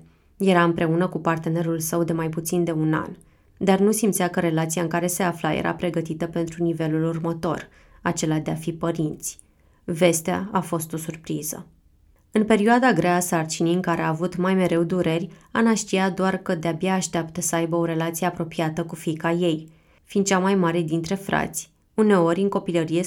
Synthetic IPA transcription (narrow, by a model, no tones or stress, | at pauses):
je̞ɾaɨmpɾe̞unəkupart̪e̞ne̞ɾulsəwd̪e̞majput̪sind̪e̞una̰n | d̪arnusimt̪sʲakəɾe̞lat̪sijaɨŋkaɾe̞se̞aflajḛɾa̰pɾe̞ɡət̪it̪əpe̞nt̪ɾunive̞lulurmət̪o̞̰r | at͡ʃe̞lad̪e̞afipəɾint̪sʲ | ve̞st̪ea̰afo̞st̪o̞surpɾizə̰ | ɨnpe̞ɾioad̪aɡɾeasart͡ʃinijɨŋkaɾe̞aːvut̪majme̞ɾe̞wd̪uɾe̞rʲanaʃt̪ijad̪oarkəd̪eabjaːʃt̪eapt̪əsəajbəo̞ɾe̞lat̪sijeapɾo̞piat̪əkufikaje̞j | find̪̚t͡ʃamajmaɾe̞d̪int̪ɾe̞fɾa̰t̪sʲ | une̞o̞ɾʲɨŋko̞piləɾije̞